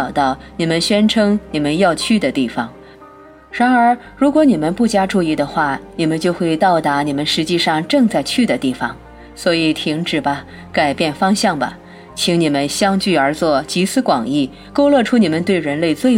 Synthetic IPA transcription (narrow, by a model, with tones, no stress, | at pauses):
ʊt̪ɑ˥˩ʊni˨˩mə˧˦nɕɥɛ˥nʈ͡ʂʰɤ˥ŋni˨˩mə˦njɑ˥˧ʊt͡ɕʰy˥˩d̪ə˩t̪i˥˩fɑ˨˩ŋ | ɻa˧˥nə˞˧˥ | ɻu˧˥kwɔ˧˥ni˨˩mə˦npu˥˩t͡ɕja˥ʈ͡ʂu˥˧i˥˩d̪ə˧xwa˥˩ni˨˩mə˧˦nt͡ɕjo˥˧ʊxwe˥˧ɪt̪ɑ˥˩ʊt̪a˧˥ni˨˩mə˦nʂɻ̩˧˥t͡ɕi˥˧ʂɑ˥˧ŋʈ͡ʂɤ˥˧ŋt͡sa˥˧ɪt͡ɕʰy˥˩d̪ə˩t̪i˥˩fɑ˨˩˦ŋ | swɔ˧˥i˨˩t̪ʰi˧˥ŋʈ͡ʂɻ̩˨˩bɐ˦ | ka˨˩ɪpjɛ˥˩nfɑ˥ŋɕjɑ˥˩ŋbɐ̰˩ | t͡ɕʰi˧˥ŋni˨˩mə˦nɕjɑ˥ŋt͡ɕy˥˩ə˞˧˥t͡swɔ˥˩t͡ɕi˧˥sɹ̩˥kwɑ˨˩ŋi˥˩ | ko˥ʊlwɔ˥˩ʈ͡ʂʰu˥ni˨˩mə˧˦nt̪we˥˩ɪɻə˧˥nle˥˧ɪt͡swe˥˩